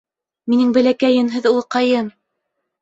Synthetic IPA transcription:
minɘŋbæ̆lækæjɘmɦɘðulˠqɑjɤm

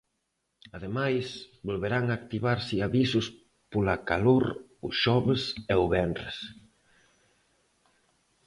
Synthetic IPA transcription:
aðemajsbolβeɾaŋakt̪iβaɾsɪaβisʊs | polakaloɾʊʃɔβɪseʊβɛnrḛs

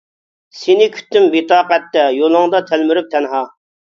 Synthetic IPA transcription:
senɪkʲʰy̥t̪ːymbit̪ɑːqɛt̪ːɛjolˠɨŋd̪ɑt̪ʰælmyɾyp̚t̪ʰɛnɦɑ

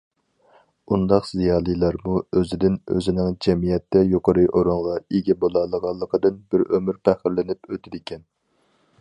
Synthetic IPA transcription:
und̪ɑqz̥ijɑːlˠijlˠɑɾmuøzɪd̪ɪnø̰zɪnɪŋd͡ʒɛmijɛt̪ːɛjoqʰəɾɨʔoɾoɴʁɑeɡʲɛbolˠɑlˠːəʁɑlˠːəqʰəd̪ɨnbɪɾømyɾpʰæχəɾlɪnɪpøt̪ʰɪd̪ɪkʲʰɛn

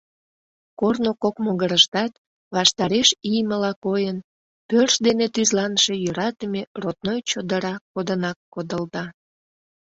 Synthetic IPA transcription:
kornokokmoɣəɾəʃt̪ɑt̪ | βɑʃt̪ɑɾeʃijməlɑkojən | pørʃd̪enet̪yzlɑnʃe̽jøɾɑt̪əmerot̪̚nojt͡ɕod̪əɾɑkːod̪ənɑkːod̪əld̪ɑ

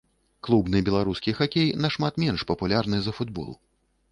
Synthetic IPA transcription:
klˠubnɨbʲɛlˠaɾuskʲixakʲejnɐʂmat̪mʲɛnʂpɐpulʲarnɨzɐfud̪bɔ̰lˠṵ

